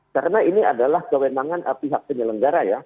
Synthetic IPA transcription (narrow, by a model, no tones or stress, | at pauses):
kaɾənainia̰dalahkəwenaŋanʔəpiɦak̚pəɲələŋɡaɾaja